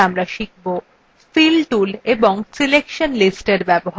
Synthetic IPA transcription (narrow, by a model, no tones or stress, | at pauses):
amɾaʃik̚ʰbo | filʈuleboŋsilekʃonlisʈeɾbɛboɦa